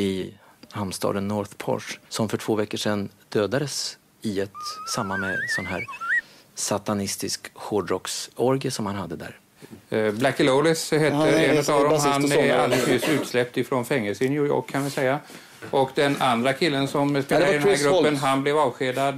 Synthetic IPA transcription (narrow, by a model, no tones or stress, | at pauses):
ɪ | hamst̪ɑ̰ːd̪ənːɔɾθpʰɔ̰ʂsɔmfœʈʰv̥oːvɛkːəʂɛnd̪̥øːd̪ad̪əs | ɪɛt̪samːamɛ̰sɔnɦæ̰ːɾ | sat̪anɪst̪ɪskɧɔɖɾɔksɔɾɡəsɔmhanhad̪ːəd̪æ̰ːɾ | blakːəlɔlɪsɦɛt̪ːəɾɛnt̪avvd̪ɔmɦana̰lt̪ɪɡsmjɪsʉ̟ːt̪slɛp̚t̪ɪfɾonfɛŋːəlsənjuːjɔ̰ːkʰːanvɪsɛja | ʔɔkd̪ɛnand̪ɾakʰɪlːənsɔmspeːlaɾɪd̪ɛnæɾɡɾɵpːənɦanblɛvɑːvɧeːd̪ad̪